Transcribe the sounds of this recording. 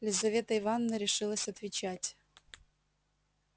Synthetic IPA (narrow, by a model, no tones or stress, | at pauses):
lʲɪzɐvʲe̞t̪əɪvanːəɾʲɪʂɨlˠəsʲɐt̪vʲɪt͡ɕætʲ